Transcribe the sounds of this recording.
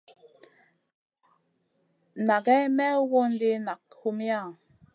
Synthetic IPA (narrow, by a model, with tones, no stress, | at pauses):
na˨ɡɛ˦mɛ˦wo˦ndi˦na˨khu˦mja˦˨